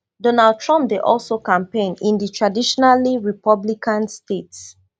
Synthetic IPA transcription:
donald̚tʰɹɔ̃mp̚deʔɔlsokãmpẽnĩnditʰɹadiʃɔnaliɹipɔblikãnstets

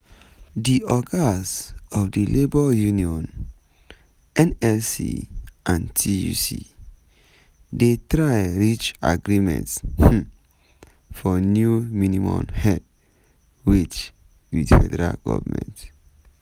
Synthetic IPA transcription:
diɔɡasɔfdilebɔjuniɔ̃n | ɛ̃nɛlsḭʔãntʰijṵsḭ | detɾajɹit͡ʃa̰ɡɾimɛ̰̃nts | fɔnjuminimɔ̃mhɛd | wit͡ʃ | wḭdfɛdɛɾa̰lɡɔ̰vamɛ̰̃nt

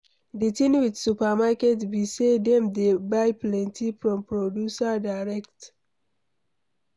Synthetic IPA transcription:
ditĩnwidsupamakɛtbisedɛ̃mdebaɪplɛ̃ntʰifɹɔ̃mpɹodjusadaɪɹɛkt

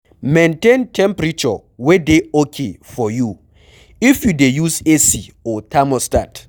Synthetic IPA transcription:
mẽntẽntʰɛ̃mpɾit͡ʃɔ | wedeokʰefɔju | ifjudejusesiɔtʰamɔstat

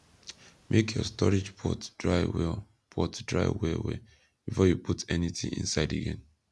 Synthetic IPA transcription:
mʔekʰjɔstɔɹid͡ʒpʰɔtd̥ɹaɪwɛ | pʰɔtdɹa̰ɪwɛwḛ | b̥ifɔjupʰutɛnitḭ̃ŋḭ̃nsaɪdḛɡɛ̃n

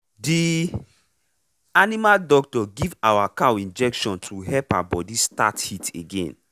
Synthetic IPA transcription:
di | animaldɔk̚tɔɡivawakawĩnd͡ʒɛkʃɔ̃ntʰuɦɛpaabɔdista̰thitʰeɡḛ̃n

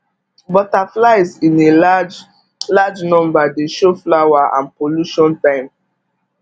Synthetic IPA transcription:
bɔtaflaɪzĩned͡ʒ | lad͡ʒnɔ̃mbadeʃoflawaʔã̰npoluʃɔ̃ntãɪ̃m

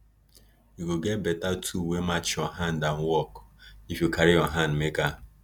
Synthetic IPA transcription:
iɡoɡɛbɛtatʰuwemat͡ʃɔɦandan̩wɔkifjokʰaɾɪɔɦanmeka

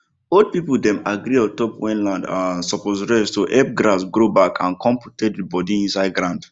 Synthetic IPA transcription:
od̚pipldɛ̃maɡɾiɔtɔpwɛ̃nlãndasɔposɹɛstoʔɛp̚ɡɹasɡɹobakʰã̰nkʰɔ̃mputet̚dibɔdiĩnsaɪd̚ɡɾãʊ̃nd

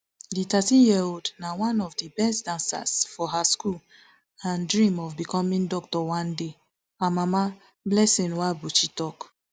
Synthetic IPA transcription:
ditatĩnjiodnawãnɔvdibɛstdãnsa̰sfɔɦaskul | ãndɹĩmɔvbikɔmĩŋdɔk̚tɔwãnde | amama | blɛsĩnwabot͡ʃitɔk

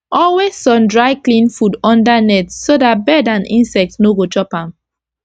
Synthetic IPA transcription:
ɔlwesːɔ̃ndɹaɪklĩnfudɔ̃ndanɛtsodat̚bɛdãnḭ̃nsɛk̚tnoɡot͡ʃɔpãm

